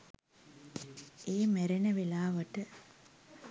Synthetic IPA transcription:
eːmeɾenəʋelaːʋəʈə

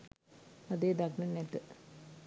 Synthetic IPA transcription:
ɐd̪eːd̪ɐɡnɐnet̪ːɨ

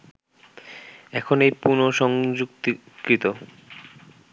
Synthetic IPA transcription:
ɛkʰonejpuɾnoʃɔŋd͡ʑukt̪ | kɾit̪o

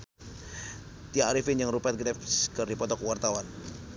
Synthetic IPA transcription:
t̪iaɾifɪnjaŋɾupɛt̪̚ɡɾɛpskɨrdipɔt̪ɔkwart̪awan

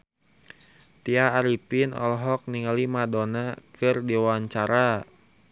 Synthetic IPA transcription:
t̪iaːɾipinɔ̰lɔɦɔk̚niŋalimadonakɨrdiwaɲt͡ʃaɾa

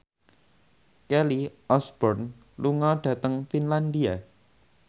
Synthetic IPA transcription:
kɛliʔɔsb̥ɔrn | luŋɔɖ̥ä̤t̪əŋfinland̪ia

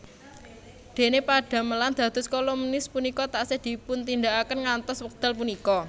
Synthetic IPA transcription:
d̪̥e̤nepaɖ̥ä̤məland̪̥ä̤d̪̥ʊskolumnɪspunikɔt̪aʔsɪhd̪̥i̤pʊnt̪ind̪aʔakənŋant̪ɔswək̚d̪̥a̤lpunikɔ

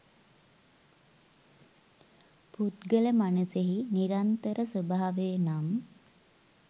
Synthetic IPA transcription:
put̪ɡələmanuseɦiniɾant̪əɾəsəbaɦaʋenam

